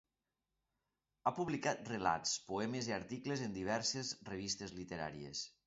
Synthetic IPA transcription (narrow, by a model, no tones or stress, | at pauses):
apuβlikat̪̚rela̰t̪spoɛmeziaɾt̪iklezend̪iβ̞ɛɾsezreβ̞ist̪ezlit̪eɾa̰ɾiḛs